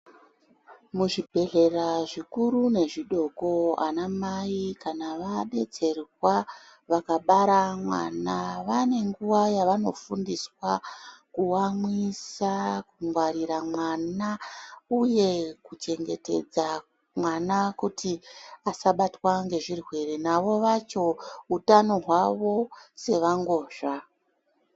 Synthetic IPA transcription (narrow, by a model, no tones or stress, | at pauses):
muʐibʱe̞ɮe̞raʐikuɾune̞ʐiɗo̞ko̞a̰namaikanaʋaɗe̞t͡se̞rwa | ʋakaɓaɾamwa̰naʋane̞ŋɡuwajaʋano̞̰fundiswakuwamwisakuŋɡwaɾiɾamwanauje̞kut͡ʃe̞ŋɡe̞̰te̞̰d͡za | mwanakutʰiasaɓatwaŋɡe̞ʐirwe̞ɾenaʋo̞ʋat͡ʃo̞utano̞ɦwaʋo̞se̞ʋaŋɡo̞ːʒa